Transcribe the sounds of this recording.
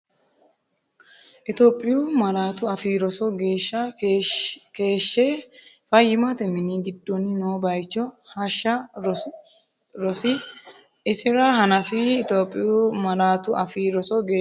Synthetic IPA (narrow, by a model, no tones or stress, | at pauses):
ʔɪt̪oːpʼːɪjuːmɐɾaːt̪ʊɐfiɾɔsɔɡeːʃːɐ | ke̞ːʃːeː | fɐjːɪmat̪ɛmɪniɡɪd̪ːɔnɪnoːbɐjt͡ʃːɔhɐʃːɐ | ɾɔsɪ | ɪsɪɾɐɦɐnɐfɪːt̪oːpʼːɪjuːmɐɾaːt̪ʊɐfiɾɔsɔɡeː